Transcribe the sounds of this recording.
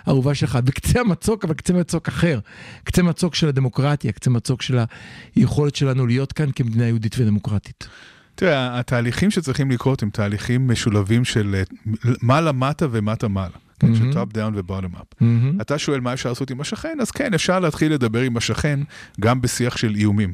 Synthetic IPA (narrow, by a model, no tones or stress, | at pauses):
aʁuvaʃelχabekt͡seamat͡so̞kavalkt͡semat͡so̞kaχe̞ʁkt͡semat͡so̞kʃe̞lad̪e̞mo̞kʁatjakt͡semat͡so̞kʃelajeχo̞le̞tʃe̞lanulijo̞t̪kankemed̪inajeuditved̪emo̞kʁati̥t | tiʁeaːtaːliχimʃet͡sʁiχimlikʁo̞themtʰaːliχimːeʃulavimʃel | malamatavematamalakeʃetab̚d̪aw̃nvebadema̰pɦ̩ataʃoe̞lmajefʃaʁlasotimaʃaχe̞naz̥kenefʃaʁleat̪χilːe̞d̪abeʁimaʃaχe̞nɡambesiaχʃe̞lijumim